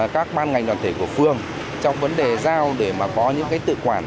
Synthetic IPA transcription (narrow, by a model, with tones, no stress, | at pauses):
kaː˦˥k̚ɓaː˧nŋa˨˩jŋ̟ɗwaː˨˩nt̪ʰe˧˩ku˧˩əfɨ˧əŋ | t͡ɕɔ˧wŋ͡mvə˨˦nɗe˨˩zaː˧wɗe˧˩maː˨˩kɔ˨˦ɲɨ̰˧˥ŋkaː˨˦jt̪ɨ̰˧˨kwaː˧˩n